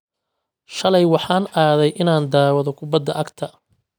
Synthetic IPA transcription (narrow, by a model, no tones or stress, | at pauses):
ʃɐlɛjwɑħɑːnʔaːðɛjʔɪnaːnd̪aːwɐðɔkʰʊbɐd̪ːɐʔɐɡt̪ʰɐ